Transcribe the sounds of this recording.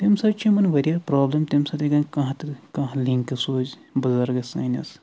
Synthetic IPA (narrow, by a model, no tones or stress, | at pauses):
t̪imsɐbt͡ʃʰimɐnʋɐɾʲijɐɾpɾoːblɐmt̪imsɐt̪iɡɐnkɐɦãt̪ɨkɐ̃ɦliŋkɐsoːd͡ʒbɐzɐɾɡɐsɐːnʲɐ̰s